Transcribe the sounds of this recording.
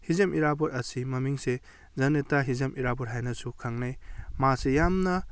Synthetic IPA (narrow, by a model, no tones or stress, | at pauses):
hizemiɾabɔɾɐsimɐmiŋse | zɐnetaɦizɐmʔiɾabɔɾɦajnɐsukʰaŋnajmasejamnɐ